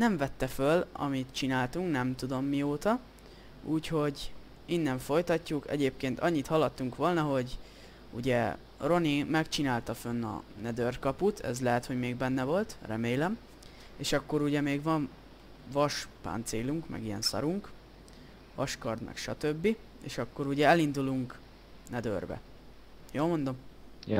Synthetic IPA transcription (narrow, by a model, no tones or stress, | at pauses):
nɛɱvɛt̪ːɛfølɒ̰mit̪t͡ʃinaːlt̪uŋknɛmt̪ud̪o̞mːioːt̪ɒ | uːcho̞ɟ | inːɛɱfo̞jt̪ɒcːukɛ̰ɟeːp̚keːnt̪ɒɲːit̪hɒlːɒt̪ːuŋkʋo̞lnɒɦo̞ɟ | uɟɛ | ro̞nimɛkt͡ʃinaːlt̪ɒfønːɒ̰nɛd̪ørkɒput̪ʰɛ̰zlɛɦɛt̪ho̞ɟmeːɡbɛnːɛvo̞lt̪rɛmeːlɛm | eːʃɒkːo̞ɾuɟɛmeːɡvɒɱ | vɒʃpa̰ːnt̪seːluŋkmɛ̰ɡijɛ̰nsɒ̰ɾuŋk | vɒʃkɒrd̪mʔɛ̰kʃɒt̪ø̞bːi | ḛːʃɒkːo̞ɾuɟɛɛlind̪uluŋk | nɛd̪ø̰rbɛ̰ | joːlmo̞nd̪o̞m